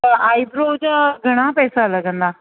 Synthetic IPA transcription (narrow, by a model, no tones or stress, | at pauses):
aaːibɾoːd͡ʒaɡʱɐɽ̃apɛːsalɐɡə̃nd̪aː